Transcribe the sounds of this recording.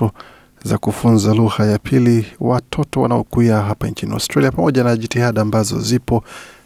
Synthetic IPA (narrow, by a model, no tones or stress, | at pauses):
ɔ | za̰kufunzaluɣajapʰiliwatʰɔtɔwa̰naɔkuiaɦapant͡ʃinia̰wstɾaliapamɔʄanaʄitihaɗaːmbazɔ̰zipɔ